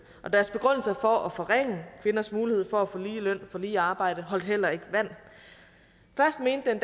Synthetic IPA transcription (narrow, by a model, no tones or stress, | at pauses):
ʔɒ̽d̥æɐsb̥e̝ɡ̥ʁɔn̰l̩sɐfɒ̽ʔɒfɒ̽ʁeŋ̰əfe̝nɐsmuːlihe̝ð̞̰ˠfɒ̽æfɔliːlœn̰fɒ̽liːɑ̈ːb̥ɑ̈ɪ̰ɾ̥əɦɒ̽l̰d̥hel̰ɐe̝ɡ̥əʋæn̰ | fɶɐsd̥me̝ːnd̥end̥